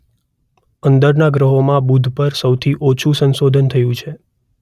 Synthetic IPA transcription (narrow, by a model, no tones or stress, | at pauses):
ənd̪əɾnaɡɾəɦomãbud̪ʱpəɾsəwt̪ʰiʔot͡ʃʰũsənsod̪ʱənt̪ʰəjũt͡ʃʰe